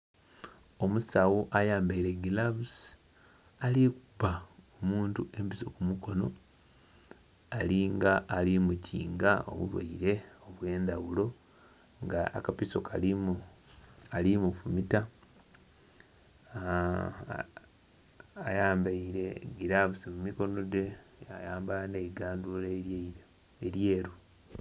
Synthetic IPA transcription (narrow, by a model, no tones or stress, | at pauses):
o̞musawuʔajaːmbaiɾe̞ɡilaβus | aliku̥baomuːntuʔe̞mpiso̞kumuko̞no̞̰ | aliŋɡaʔːlimuciːŋɡao̞̰βṵβwa̰iɾe̞o̞βwe̞ːndawulo̞ | ŋɡaa̰kapiso̞kʰalimu | alimufumita | jaːmbaiɾe̞ɡiɾaβusimumiko̞no̞de̞ja̰jaːmbaaneiɡaːndule | eɾjeːɾo